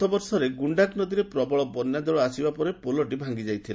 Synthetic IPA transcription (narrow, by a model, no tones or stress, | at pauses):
t̪ɔbɔɾsɔɾeɡuɳɖaknɔd̪iɾepɾɔbɔɭɔbɔnjad̪ɔɭɔasibapɔɾepolɔʈ̬ibʱaŋɡid͡ʒajt̪ʰila